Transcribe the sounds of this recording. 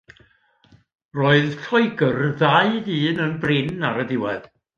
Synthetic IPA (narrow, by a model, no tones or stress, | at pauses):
roːɨðɬʰɔɨɡərðaɨðiːnənbrɪnaɾədɪwɛð